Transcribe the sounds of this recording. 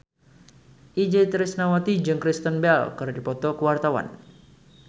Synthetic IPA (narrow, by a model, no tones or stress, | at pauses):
ʔid͡ʒɛjt̪ɾɪsnawat̪id͡ʒɨŋkɾist̪ənbɛlkɨɾdipɔt̪ɔkəwart̪awa̰n